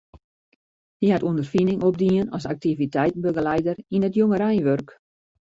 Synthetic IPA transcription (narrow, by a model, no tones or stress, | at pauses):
diɦatundərfinɪŋob̚diənɔsak̚tivitɛjtn̩bøɡəlɛjdərinətjoŋəɾɛjnʋørk